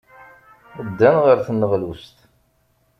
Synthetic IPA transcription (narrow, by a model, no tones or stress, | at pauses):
əd̪ːænʁəɾθənːəʁlust̪